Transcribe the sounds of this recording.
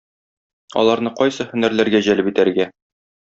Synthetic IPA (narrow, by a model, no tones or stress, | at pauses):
ɒ̰lˠɑɾnɤqɒjsɤhɵ̆næɾlæɾɡæʑælɘpit̪æɾɡæ